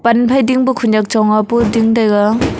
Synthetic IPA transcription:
panpʰajdiŋbukʰuɲak̚t͡ʃɔŋapudiŋdajɡa

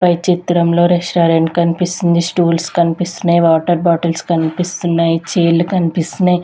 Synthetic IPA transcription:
pɐjt͡ʃit̪ɾɐmlo̞ːɾɛʂʈaːɾeɳɖkɐnipisind̪isʈuːlskɐnipist̪unːaːjiʋaːʈɐɾbaːʈɐlskɐnipist̪unːaːjit͡ʃeːlːukɐnipist̪unaːj

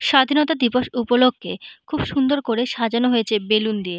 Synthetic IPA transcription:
ʃad̪ʱinot̪ad̪ipoʃupoloɡ̚ʱːekʰubʃund̪oɾkoɾeʃad͡ʑanoɦojet͡ɕʰebelund̪ie

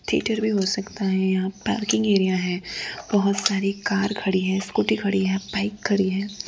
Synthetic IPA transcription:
t̪ʰḭːʈəɾbʱiɦosɐkt̪aɦɛ̃jɐɦãpa̰ːɾkɪ̃ŋɡeːɾijaɦɛ̃ːb̥ɔɦʊt̪saːɾikaːɾkʰɐɽiɦɛ̃ːskuːʈikʰɐɽiɦɛ̃ːpaːɪkʰːɐɽiɦɛ̃ː

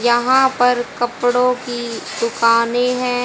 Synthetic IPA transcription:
jɐɦãpɐɾkɐpɽõkid̪ʊkaːneɦɛ̃ː

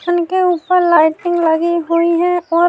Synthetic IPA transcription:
ənkeuːpəɾlaɪʈɪ̃ŋɡlaɡiɦoiɦɛ̃ɔː

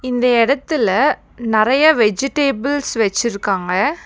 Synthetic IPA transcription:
ɪnd̪ɐɛɽɐt̪ːɪlɐ | nɪɾɐjɐʋɛd͡ʒɪʈeːbɪlsʋɛt͡ʃːɪɾɯkːaːŋɡɐ

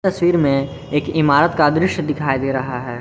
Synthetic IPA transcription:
t̪ɐswiːɾmẽ | eːkɪmaːɾət̪kad̪ɾɪʃjd̪ɪkʰaːid̪eːɾɐɦaɦɛː

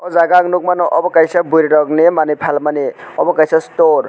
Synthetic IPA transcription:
ɔzaɡaŋnuk̚manɔʔɔbɔkajsabujɾɾɔknemanɯjpʰalmaneɔbɔkajsastoɾ

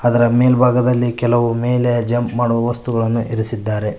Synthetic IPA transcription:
ɐd̪ɐɾɐme̞ːlbʱaːɡɐd̪ɐlːikɛlɐʋume̞ːlejɐd͡ʒɐmpmaːɽuʋɐʋɐst̪uɡɐɭɐnːuʔiɾisid̪ːaːɾe̞

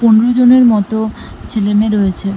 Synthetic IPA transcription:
poneɾod͡ʑoneɾmɔt̪o | t͡ɕʰelemeɾoet͡ɕʰe

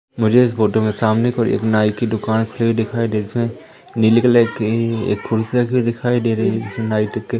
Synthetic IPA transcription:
mʊd͡ʒʱeɪsboːʈomẽsaːmnekɔːɾḛːknaːikid̪ʊkaːnkʰʊlibʱid̪ɪkʰaːid̪eːd͡ʒɪsmẽ | nilɪklekḛːkkʰʊɾsakid̪ɪkʰaːid̪eːɾeɪsnaːiʈekːe

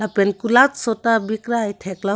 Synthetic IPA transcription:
lapenkulat͡ssotabikɾajt̪ʰekla

